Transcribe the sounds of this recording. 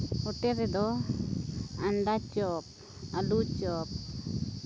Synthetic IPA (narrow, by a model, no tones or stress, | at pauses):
ɔʈɛɾɛd̪ɔ | aɳɖat͡ʃɔp̚ | alut͡ʃɔp̚